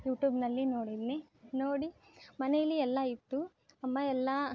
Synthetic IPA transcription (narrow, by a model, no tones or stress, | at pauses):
juːʈjuːbnɐlːino̞ːɽid̪ninoːɽimɐnejɐlːiɛlːɐit̪ːu | ɐmːɐɛlːɐ